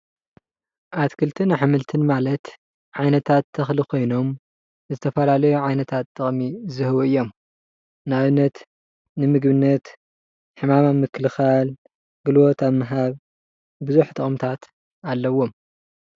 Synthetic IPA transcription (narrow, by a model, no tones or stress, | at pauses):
ʔat̪kʰɨlt̪ʰɨnaħɨmɨlt̪ʰɨnmalɐt̪ | ʕajnɐt̪ʰat̪ʰːɐxlikʰo̞jno̞m | zɨt̪ʰɐfɐlalɐjuʕajnɐt̪ʰat̪ːɨχʼmizɨhɨwuɨjːo̞m | naβɨnːɐt̪ | nɨmɨɡβɨnːɐt̪ | ħɨmamamːɨkʰːɨlxal | ɡɨlwot̪aβmːɨɦaβ | bɨzuħt̪ʰʼɨχʼmt̪ʰat̪ | alːɐwːo̞m